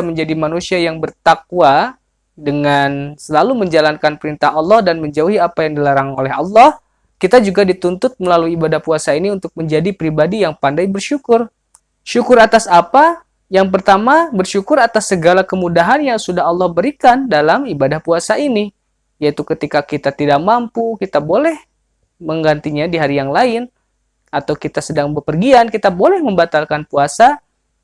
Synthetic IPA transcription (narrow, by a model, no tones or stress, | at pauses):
aməɲd͡ʒadimanusiajaŋbərt̪ak̚ua | dəŋansəlaluməɲd͡ʒalankanpəɾint̪ahɑlːɔhdanməɲd͡ʒauɦiapajaŋdilaɾaŋolɛɦɑlːɑh | kit̪ad͡ʒuɡadit̪unt̪ʊt̪̚məlaluiːbadahpuasainiunt̪ʊk̚məɲd͡ʒadipɾibadijaŋpandajbərʃukʊr | ʃukʊɾat̪asapa | jaŋp̬ərt̪amabərʃukʊɾat̪asːəɡalakəmudaɦanjaŋsudaɦɑlːɑhbəɾikandalamibadahpuasaini | jait̪ukət̪ikakit̪at̪idak̚mampukit̪abolɛh | məŋɡant̪iɲadiɦaɾijaŋlaɪn | at̪awkit̪asədaŋbəpərɡiankit̪abolɛhməmbat̪alkanpuasa